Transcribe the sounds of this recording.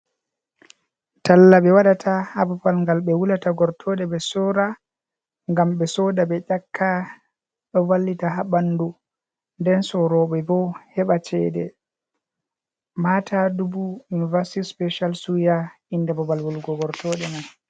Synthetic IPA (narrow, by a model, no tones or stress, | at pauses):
talːaɓɛwaɗatʰahabɔpalŋɡalɓɛwulataɡɔɾtʰɔɗɛbɛsɔɾa | ŋɡamɓɛsɔdaɓɛʄakʰːa | ɓɛwalːitaɦaɓandu | ndɛnsɔɾɔɓɛɡɔhɛɓat͡ʃɛdɛ | matʰadubuunivasi̥tispɛʃalsuja | indɛbɔbalwɔlɡɔɡɔɾtʰɔɗɛnan